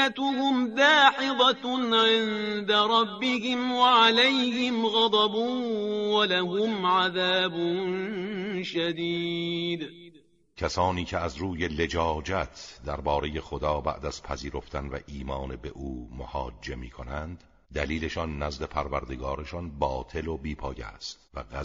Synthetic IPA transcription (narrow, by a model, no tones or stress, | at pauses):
at̪ʊhʊmd̪aːħɪðˤɑnʕɪnd̪aɾˤɑbːɪhɪmwaʕalajhɪmɣɑd̪ˤɑbuwalaɦʊmʕaðaːbʊnʃad̪iːd̪ | cʰæsɒːniːcʰeæzɾuːje̞le̞d͡ʒɒːd͡ʒæt̪ʰd̪æɾbɒːɾe̞je̞xod̪ɒːbæ̰ʔd̪æz̥pʰæziːɾoft̪ʰænvæ̰ʔiːmɒːnebe̞ʔuːmohɒːd͡ʒːe̞miːkʰo̞nænd̪ | d̪æliːle̞ʃɒnːæzle̞pʰæɾvæɾd̪e̞ɡɒːɾeʃɒnbɒːt̪ʰe̞lobiːpʰɒːjæ̰st̪væɣæ